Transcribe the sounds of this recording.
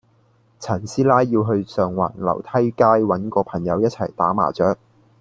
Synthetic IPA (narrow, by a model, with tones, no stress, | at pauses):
t͡sʰɐ˨˩nsiː˥laː˥jːiː˧wɦɵ˧ɥsœː˨ŋwa̰ː˨˩nlɐ̰˨˩wt̪ʰɐ˥jkaː˥jwɐ˨˥nkɔː˧pʰɐ˨˩ŋjɐ˨˧wjɐ˥t̚t͡sʰɐ̰˨˩jt̪aː˨˥ma̰ː˨˩t͡ʃœː˨˥k̚